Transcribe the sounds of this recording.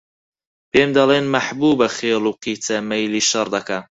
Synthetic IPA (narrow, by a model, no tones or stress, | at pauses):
peːmd̪ɐleːnmɐħbuːbɐxeːlˠuːqiːt̪ʰɐmɐjliːʃɐɾd̪ɐka